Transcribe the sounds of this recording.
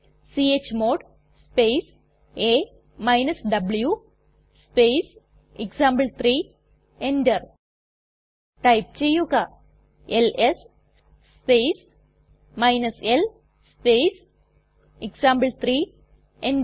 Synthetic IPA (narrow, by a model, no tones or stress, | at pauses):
siet͡ɕmoːɖ | spejs | eː | mɐjnɐsɖɐblju | spes | eksaːmbəlt̪ɾiː | eɳɖɐɾ | ʈɐjp̚t͡ɕejːuɣa | eles | spejs | mɐjnɐsel | spejs | eksaːmblt̪ʰɾiː | eɳɖ